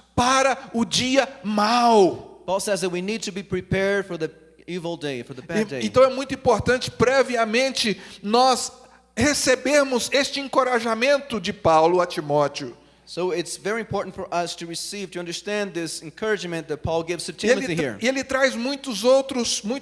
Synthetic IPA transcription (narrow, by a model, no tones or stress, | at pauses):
paɾɐʊd͡ʒiɐmawpʰɔlˠsɛzðɨt̚winid̚tʰɨbipʰɹ̥ipʰɛɹd̥fə˞ði | ivl̩ˠdeɪfə˞ðəpædeẽnt̪ɐ̃w̃ɛmũj̃t̪ʊĩmpoɾt̪ɐ̃nt͡ʃɪ̥pɾɛviɐmẽnt͡ʃɪnɔs | hesebeɾmʊzest͡ʃɪẽkoɾaʒamẽnt̪ʊd͡ʒɪpawlʊɐt͡ʃimɔt͡ʃiʊ | soʊɪtsvɛɹiɨ̃mpʰɔɹʔn̩tfə˞ʔʌstʰɨɹɨsiv̥tʰɨʌ̃ndə˞stæ̃nðɪsnkʰɜ˞ɨd͡ʒmɨ̃nðɨt̚pʰɔlˠɡɪvz̥tʰɨtʰɪ̃emihḭɹelɪt̪ɾajzmũj̃t̪ʊzowt̪ɾʊsmũj̃